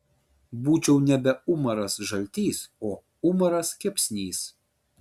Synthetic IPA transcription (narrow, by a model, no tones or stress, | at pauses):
buːt͡ʃʲɛʊnʲɛbʲɛʊmɐɾɐsʒɐlʲt̪ʲiːsoː | ʊmɐɾɐskʲɛpʲsʲnʲiːs